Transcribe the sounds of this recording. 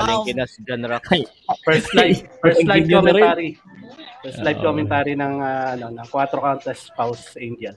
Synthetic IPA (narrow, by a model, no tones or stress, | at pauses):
ɐlɛŋkɪnɐsid͡ʒɛnɛɾɐk | fɛɹst̪lajɹslaomɛt̪aːɾi | pɛɹst̪lajb̚komɛnt̪aːɾinɐŋaːʔɐno̞nɐŋkwat̪ɾokawnt̪ɐspawsʔind̪ɐn